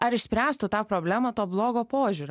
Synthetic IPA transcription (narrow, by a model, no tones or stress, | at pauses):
ɐɾɪʃʲsʲpʲɾʲæːst̪ʊt̪ɑːpɾoːbʲlʲæːmɐt̪oːblˠoːɡoːpoːʒʲuːɾoː